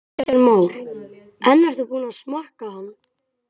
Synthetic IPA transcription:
aɾmaːwɾ | ɛnːaɾ̥θupuːnaðsmahkahanː

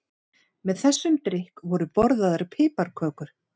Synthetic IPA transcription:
mɛðθɛsːʏmt̪ɾɪhkvɔɾʏpɔɾðaðaɾpʰɪːpaɾkʰœːkʏɾ̥

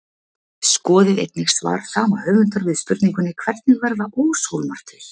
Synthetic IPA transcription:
skɔːðɪðḛjt̪̚nɪxsva̰ɾ̥saːmahœːvʏnt̪aɾvɪðspʏɾt̪niŋkʏnːɪkʰv̥ɛrt̪nɪɣvɛɾðaʔoːwsowlmar̥t̪ɪɾ̥

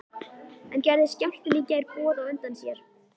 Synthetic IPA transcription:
ɛncɛjɾðɪscaw̥̪t̪ʏliːcajɾpɔːðawœnt̪ansjɛɾ̥

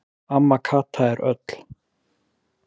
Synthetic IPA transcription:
amːakʰaːt̪ʰaɛɾœ̰t̪l̥

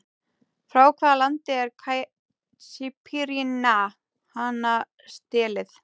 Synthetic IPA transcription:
fɾawkʰvaːðalant̪ɪɛɾkʰaj | sipʰiɾina | hana | st̪ɛːlɪθ

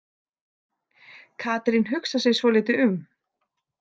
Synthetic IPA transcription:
kʰaːt̪ɾɪnɦʏksasɛɣsvɔlɪːt̪ɪʏm

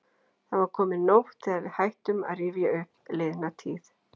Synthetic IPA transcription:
θaðvaɾkʰɔːmɪnowht̪ʰɪðavɪðhajht̪ʏma̰ðrɪːvjaʏhplɪðnat̪ʰiːθ

